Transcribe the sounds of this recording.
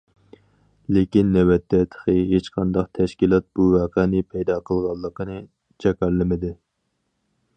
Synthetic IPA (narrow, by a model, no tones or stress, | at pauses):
lɪkʲinːɛwɛt̪ʰːɛt̪ʰə̥χəɦet͡ʃqʰɑnd̪ɑqt̪ʰɛʃkʲilˠɑt̪̚b̥uvɑːqʰɛnɪpʰɛjd̪ɑːqʰəlˠʁɑlˠːəqənɨ | t͡ʃʰɛkʲæɾlɪmɪd̪ɪ